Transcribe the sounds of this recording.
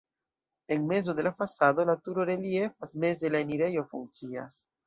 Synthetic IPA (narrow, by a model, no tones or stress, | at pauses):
eŋmez̬oðelafasaðolat̪uɾoɾeliefazmezd̪elaeniɾejofuŋsia̰s